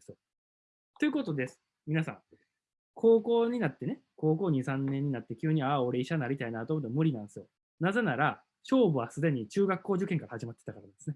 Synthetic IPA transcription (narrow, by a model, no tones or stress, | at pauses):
s | t̪o̞jɯ̟ko̞t̪o̞d̪e̞sɨ̥ | mʲinasã̰ŋ | kʰo̞ːko̞ːɲ̟inat̪ːe̞ne̞ | ko̞ːko̞ːɲ̟isãnːeɲ̟ːinat̪ːe̞kʲɨːɲ̟iao̞ɾe̞iɕanaɾʲit̪ainat̪oːmot̪ːemɯ̟ɾʲinãnd̪esɨjo | naze̞naɾa | ɕo̞ːbɯ̟βasɨd̪e̞ɲ̟it͡ɕɨːɡakːo̞ːʑɨkẽ̞ŋkaɾahaʑimat̪ːe̞̥t̪akaɾanansɨne